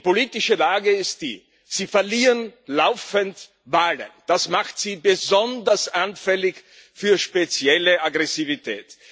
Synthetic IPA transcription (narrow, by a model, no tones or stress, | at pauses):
poliːtɪʃəlaːɡəɪst̚d̥ḭː | z̥iːfɛɐliːʁənlaʊfənt | vaːlə̰nd̥asmaχtz̥iːbəzɔndɐsʔanfɛlɪç | fyːɐʃpet͡sjɛləʔaɡʁɛsivitʰɛ̰ːt